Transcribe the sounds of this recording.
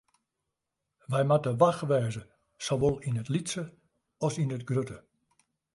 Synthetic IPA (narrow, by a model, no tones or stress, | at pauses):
ʋɛjmatəʋaxʋɛːzə | soʋolˠinətlitsə | ɔsinətɡrøtə